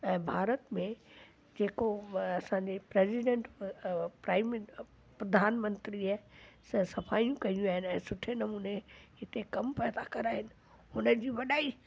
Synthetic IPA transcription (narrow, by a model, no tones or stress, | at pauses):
ɛ̃ːbʱaːɾət̪mẽ | d͡ʑeːkoɐsãɲd͡ʑepɾeːziɖẽɳʈpɾaːɪm | pɾɐd̪ʱaːnmə̃nt̪ɾiaːɦsɐsɐfʰaːijũkɐiũaːɦɪnɪɛ̃ːsʊʈʰenɐmuːneɪt̪ekɐmpɛːd̪akɐɾaːɦɪnɪ̆ | hʊnəd͡ʑiːʋɐɗaːi